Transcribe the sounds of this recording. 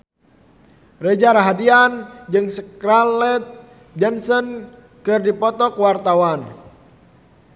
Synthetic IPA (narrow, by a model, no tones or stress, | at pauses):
rɛd͡ʒaɾaɦadiand͡ʒɨŋsəkɾalɛt̪̚ | d͡ʒɛnsɔn | kɨrdipɔt̪ɔkwart̪awan